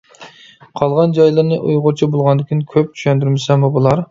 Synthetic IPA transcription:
qʰɑlˠʁɑnd͡ʒɑjlˠɨɾnɨʔṵjʁʊɾt͡ʃʰibolˠʁɑnd̪ɪkʲʰinkʲʰøp̚t͡ʃʰy̥ʃɛnd̪yɾmɪsɛmubulˠɑɾ

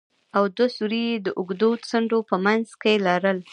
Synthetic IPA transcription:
awd̪wasuɾijed̪əʔʊɡd̪ot͡səɳɖopəmanzkelɑɾəl

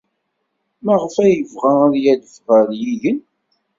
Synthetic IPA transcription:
mæʁəfæjəvʁæɾjæd̪əfʁəɾjiʝən

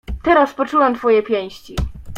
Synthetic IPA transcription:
t̪ɛɾaspɔt͡ʂuwɛmt̪fɔjɛpʲjɛ̃w̃ɕt͡ɕi

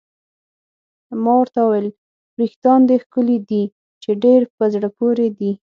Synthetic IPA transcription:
mɑwəɾt̪awuwel | bɾixt̪ɑnd̪əxkəlid̪i | t͡ʃeɖeɾpəzɽəpoɾed̪i

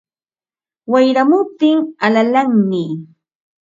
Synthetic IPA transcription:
wajɾamʊp̚t̪ɪŋalalaŋmɪ

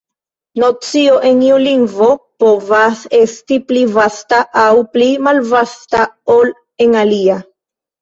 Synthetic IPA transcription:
no̞t͡sio̞ʔe̞niuliŋɡvo̞po̞vase̞stiplivastaʔawplimalvastaol | e̞ŋalia

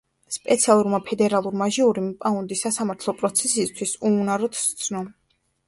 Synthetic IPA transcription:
spʼɛt̪sʰialˠuɾmapʰɛd̪ɛɾalˠuɾmaʒiuɾimpʼaund̪isasamaɾt̪ʰlˠɔpʼɾɔt̪sʰɛsist̪ʰwisuunaɾɔt̪ʰst̪sʰnɔ

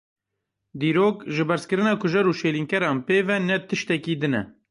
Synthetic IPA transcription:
d̪iːɾoːkʒɨbɛɾskɨɾɨnɑːkʰʊʒɛɾuːʃeːliŋkɛɾɑːnpeːvɛnɛt̪ɨʃt̪ɛkiːd̪ɨnɛ̰

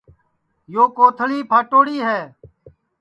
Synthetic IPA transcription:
joːkoːt̪ʰəliːpʰaːʈoːɽiːɦɛː

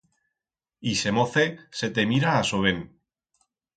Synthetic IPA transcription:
ise̞moθese̞t̪emiɾaːsoβen

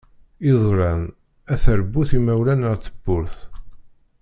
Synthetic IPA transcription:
iðˤɾæn | æθəɾbːuθimæwlænəʁt͡sːəbːʊɾθ

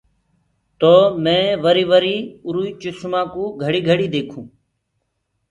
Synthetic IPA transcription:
t̪oːmɛ̃ːʋəɾiːʋəɾiːʊɾuːiːt͡ʃʊsmãːkũːɡʱəɽiːɡʱəɽiːd̪eːkʰũː

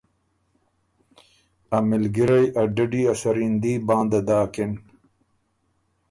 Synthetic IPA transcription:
ɐmɪlɡiɾɐjʔɐɖɐɖiːasɐɾind̪iːbãːnd̪ɐd̪aːkin

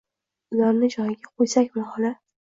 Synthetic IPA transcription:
ʊlaɾnɪd͡ʒɒjɪɡʲaqʰojsakʲmahɒla

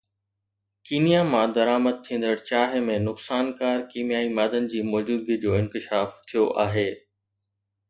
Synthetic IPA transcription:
kiːnijamãd̪ɐɾaːməd̪̚t̪ʰĩːn̆d̪əɽt͡ɕaːɦɪmẽnʊksaːnkaːɾkiːmjaːimaːd̪ənɪ̆d͡ʑiːmɔːd͡ʑuːbid͡ʑoːɪ̃nkɪʃaːft̪ʰijoʔaːɦeː

